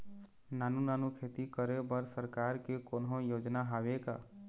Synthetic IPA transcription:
nanunanukʰet̪ikəɾebəɾsəɾkaɾkekonɦõjod͡ʒnaɦaweka

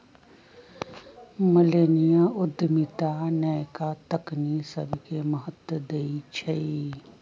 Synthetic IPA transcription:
məleːnijaʊd̪ʱːmit̪anəkat̪əknisəbʱkeməɦət̪əd̪eit͡ʃʰɐi

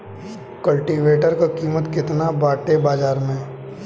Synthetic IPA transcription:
kəlʈiːʋeːʈəɾkokiːmət̪kɪt̪nabaːʈebaːd͡ʒaːɾmẽ

